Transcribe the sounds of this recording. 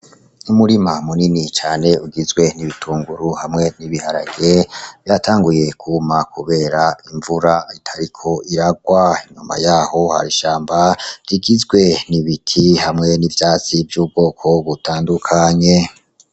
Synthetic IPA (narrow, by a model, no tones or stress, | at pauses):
umuɾimamuninit͡ʃaːne̞uɡizɡwe̞niβitʰuːŋɡuɾuhamŋeniβihaɾa̰ɡe̞v̥jatʰaːŋɡuje̞kʰumakʰuβe̞ːɾaiɱvuɾaitʰaɾikʰo̞ʔiɾaɡwaiɲuma̰jaːho̞ha̰ɾiʃaːmbaɾiɡizɡwe̞niβitʰihamŋe̞nivjaːt͡sivjuːb̚ɡo̞ːkʰo̞βutaːndukʰaɲe̞